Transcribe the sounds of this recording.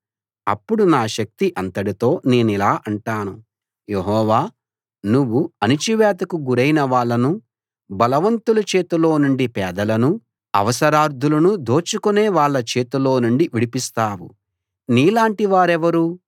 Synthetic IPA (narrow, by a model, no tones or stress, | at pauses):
ɐ̰pːuɽunaːʃɐk̚t̪iʔɐnt̪ɐɽit̪o̞ːne̞ːnilaːʔɐɳʈaːnu | jeɦɔːʋaː | nuʋːuɐnit͡ʃiʋɛːt̪ɐkuɡuɾɐjnɐʋaːɭːɐnu | bɐlɐʋɐnt̪ulɐt͡ʃe̞ːt̪ulo̞ːnuɳɖipɛːd̪ɐlɐnu | ɐ̰ʋɐsɐɾaːɾd̪ʱulɐnud̪o̞ːt͡ʃukune̞ːʋaːɭːɐt͡ʃe̞ːt̪ulo̞ːnuɳɖiʋiɽipist̪aːwṵ | niːlaːɳʈiʋaːɾɛʋɐɾu